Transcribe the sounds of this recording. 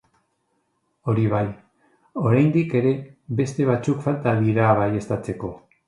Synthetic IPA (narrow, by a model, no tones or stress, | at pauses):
o̞ɾiβ̞aj | o̞ɾajnd̪ike̞ɾe̞βe̞st̪e̞β̞at͡sukfalt̪aðiɾaβajest̪at͡se̞ko̞